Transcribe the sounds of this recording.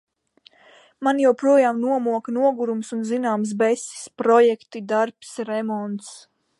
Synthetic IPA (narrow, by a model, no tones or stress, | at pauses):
manjawpɾuɔjaːmnuɔmuɔknuɔɡuɾumsunzinaːms̬bɛsʲi̥spɾɔjɛkt̪id̪aɾpsɾɛmɔnt̪s